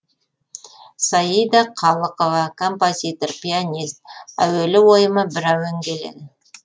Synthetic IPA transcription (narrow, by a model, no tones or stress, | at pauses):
sɑjijd̪ɑqʰɑlˠəqovɑkʰo̞mpozʲijt̪o̞rpʲianʲist̪̚æ̰welɪwo̞jəməbɪɾæweŋɡʲe̞lḛd̪ɪ